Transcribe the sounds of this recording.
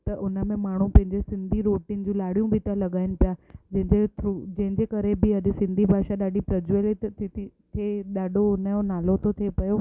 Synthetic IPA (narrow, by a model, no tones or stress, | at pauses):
t̪ɐʔʊnə̆mẽmaːɳ̤ũpɐ̃ɦɪ̃ɲd͡ʑesɪ̃nd̪ʱiɾoːʈind͡ʑũlaːɽijũbʱɪt̪ɐlɐɠaːɪnɪ̆pijad͡ʑɐ̃ɦɪ̃ɲd͡ʑeud͡ʑɐ̃ɦɪ̃ɲd͡ʑeːkɐɾebɪɐd̪ɪ̆sɪ̃nd̪ʱibʱaːʃaɗaːɗipɾɐd͡ʑel | t̪ʰeɗaːɗʱoʊnəonaːlot̪ʰot̪ʰepɐjo